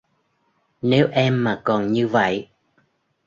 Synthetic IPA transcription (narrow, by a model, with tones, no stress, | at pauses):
ne˨˦wʔɛ˧mːaː˨˩kɔ˨˩nɲɨ˧və̰˧˨j